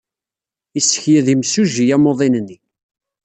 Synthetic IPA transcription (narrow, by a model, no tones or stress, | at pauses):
isːə̥çjæðimsuʒijæmoðˤinnːi